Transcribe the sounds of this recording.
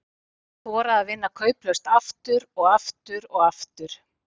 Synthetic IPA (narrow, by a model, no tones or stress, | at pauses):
θvɔːɾaːðvɪnːakʰœːɥplœst̪aft̪ʏɾɔɣaft̪ʏɾɔɣaft̪ʏɾ̥